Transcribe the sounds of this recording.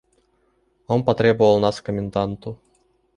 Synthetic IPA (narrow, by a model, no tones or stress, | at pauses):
ompɐt̪ɾʲebʊolˠnɑskəmʲɪnd̪ant̪u